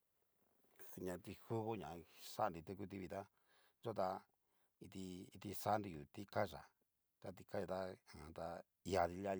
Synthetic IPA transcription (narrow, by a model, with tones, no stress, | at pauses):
ɲã˨˧t̪i˧xu˦βo˦ɲã˨sa˦˧nɾi˧t̪u˦˧ku˦˧t̪̬i˧βi˧t̪a˦ | ʐo˦t̪a˧ | i˧t̪i˧i˧t̪i˧sa˦˧ndi˧ju˨t̪i˦ka˦ʐa̰˨ | t̪a˧t̪i˧ka˦ja˧t̪a˦ã˨t̪a˧ | i˧a˧ði˧la˦